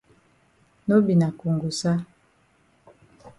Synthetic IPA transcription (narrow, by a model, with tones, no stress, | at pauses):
no˦bi˨na˨ku˨ŋɡu˨sa˦